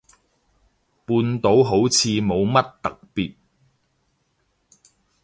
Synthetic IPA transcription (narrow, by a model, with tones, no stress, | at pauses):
puː˧nt̪o˨˥wɦo˨˥wt͡sʰiː˧mo˨˧wmɐ˥t̚t̪ɐ˨k̚piː˨t̚